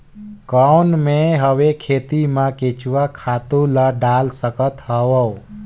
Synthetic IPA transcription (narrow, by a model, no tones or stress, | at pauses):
kəwnmeɦəwekʰet̪imãket͡ʃuwakʰat̪uləɖalsəkət̪ɦəwəw